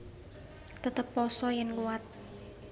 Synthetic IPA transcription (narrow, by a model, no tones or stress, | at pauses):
t̪ət̪əpːɔsɔjənɡuat̪̚